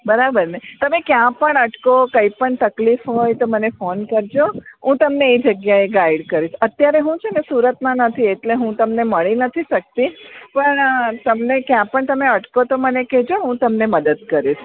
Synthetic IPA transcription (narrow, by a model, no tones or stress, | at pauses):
bəɾabəɾnet̪əmekjãpəɳəʈkokəipəɳt̪əklifɦojt̪omənefonkəɾd͡ʒoɦũt̪əmneed͡ʒəɡjaeɡaiɖkəɾit͡ʃʰət̪jaɾeɦũt͡ʃʰenesuɾət̪mãnət̪ʰieʈleɦũt̪əmneməɭinət̪ʰiʃək̚t̪ipəɳt̪əmnekjãpəɳt̪əmeəʈkot̪omənekɛd͡ʒoɦũt̪əmneməd̪əd̪kəɾiʃʰ